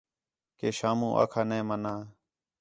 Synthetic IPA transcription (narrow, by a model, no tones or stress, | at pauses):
keːʃaːmũːʔa̰ːkʰaːnẽːmənãː